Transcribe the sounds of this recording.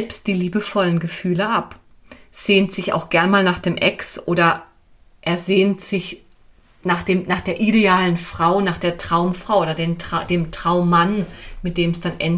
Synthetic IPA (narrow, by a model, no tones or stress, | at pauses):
pst̚d̥iːliːbəfɔlənɡəfyːləʔap | z̥eːntz̥ɪça̰ʊxɡ̥ɛɐnmaːlnaːχd̥eːmʔɛksʔoːɾɐ | ʔeːɐzeːntz̥ɪç | naːχd̥eːmnaːχd̥eːɐʔideaːlənfʁ̥aʊnaːχd̥eːɐtʁ̥aʊmfʁ̥aʊoːdɐdeːmtʁ̥ad̥eːmtʁ̥aʊmːanmɪt̚d̥eːmsd̥anʔɛ̰n